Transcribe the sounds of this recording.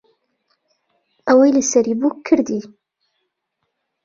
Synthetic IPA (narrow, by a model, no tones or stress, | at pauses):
ʔɐwɐjlɨsɐɾibukʰːɨɾd̪i